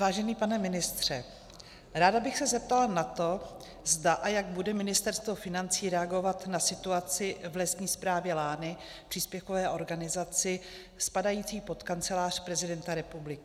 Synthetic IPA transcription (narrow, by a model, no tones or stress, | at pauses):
vaːʒɛniːpanɛmɪnɪst̪r̝̥ɛ | ɾaːdabɪxsɛzɛp̚t̪alanat̪o̞ | zdaʔajaɡ̚budɛmɪnɪst̪ɛɾst̪vo̞fɪnant͡siːɾɛaɡo̞vat̪nasɪt̪uat͡sɪvlɛst̪ɲiːspɾaːvjɛlaːnɪpr̥iːspjɛfkovɛːʔo̞ɾɡanɪzat͡sɪ | spadajiːt͡siːpo̞t̪kant͡sɛlaːr̝pɾɛzɪdɛnt̪aɾɛpublɪkɪ